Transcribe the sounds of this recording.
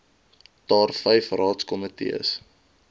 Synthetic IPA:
tɑːrfɛjfrɑːtskɔmətḭə̰s

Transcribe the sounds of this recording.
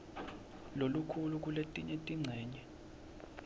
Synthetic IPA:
lolukʰuluk̬uletʼiɲetʼiŋ͡ǀʱɛːɲɛ

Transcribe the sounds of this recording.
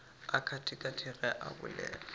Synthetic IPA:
akʰatʰɪkʼatʰɪrɛʔabʊ̰lɛ̰ːlɔ

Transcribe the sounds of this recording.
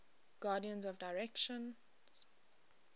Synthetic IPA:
ɡ̥aːdiə̃nzɔvdaɪɹɛkʃɔ̃n | z̥

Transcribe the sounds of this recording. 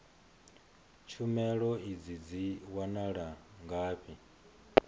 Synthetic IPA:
t͡ʃʰumɛɺɔid͡zid͡ziwanaɺaŋɡaːɸi

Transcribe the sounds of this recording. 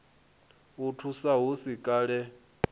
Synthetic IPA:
utʰusaɦusikʼaːɺɛ

